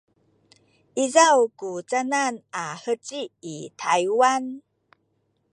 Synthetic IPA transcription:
ʔizawkut͡sananahət͡siːtʰajwan

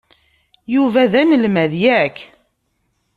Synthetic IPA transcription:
juvæðænəlmæðjæk

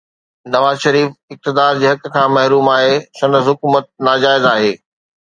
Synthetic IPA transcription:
nɐʋaːzʃɐɾiːfɪk̚t̪ɪd̪aːɾd͡ʑeːɦɐk̆kʰãːmɐɦɾuːmaːɦesɐnəzɦʊkuːmət̪̚naːd͡ʑaːɪzaːɦeː

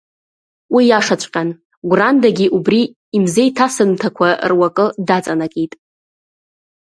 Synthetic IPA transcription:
wijaʂat͡ɕʷʼqʲʼan | ɡʷrandaɡʲiʔubriː | mze̞jtʰasɨnmtʰakʷʰarwakʼɨdat͡sʼanakʼitʼ

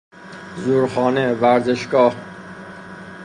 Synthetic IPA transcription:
zuɾxɒːnevæɾzeʃɡɒːh

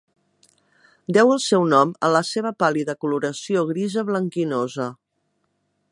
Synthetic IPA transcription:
d̪ɛwəlˠsɛwnɔmə̰ləseβ̞əpaliðəkuluɾəsioɣɾizəβləŋkinozə

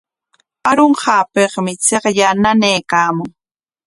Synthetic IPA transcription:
aɾoɴɢɑːpeχmɪt͡seqʎananejkaːmʊŋ

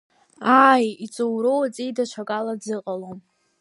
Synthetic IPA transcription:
ajit͡sʼowɾowat͡sʼidat͡ʃʷʰakʼalad͡zɨqʼalom

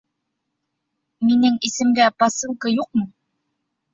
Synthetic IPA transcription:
minɘŋisɘ̆mɡæpɑsɤlˠkɤjuq̚mɤ

